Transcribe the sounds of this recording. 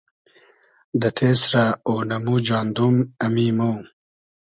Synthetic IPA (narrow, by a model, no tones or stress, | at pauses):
d̪ɐt̪ʰeːsɾaoːnɐmud͡ʒwaːnd̪umɐmimoː